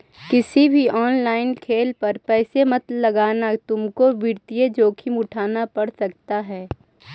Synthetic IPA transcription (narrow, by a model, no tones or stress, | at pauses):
kɪsibʱiʔɔːnlaːɪnkʰeːlpɐɾpɛːsemɐt̪lɐɡaːnat̪ʊmkobɪɾt̪ijed͡ʒoːkʰimʊʈʰaːnapɐɽsɐkt̪aɦɛː